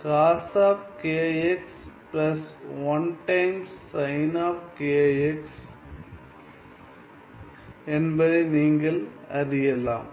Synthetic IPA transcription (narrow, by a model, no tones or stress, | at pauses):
kaːsaːpkeːeksplɐsʋɐnʈɐɪmsːɐɪnaːfkeːeks | ɛnbɐðɐɪniːŋɡɐɭɐɾɪjɐlã̰ːm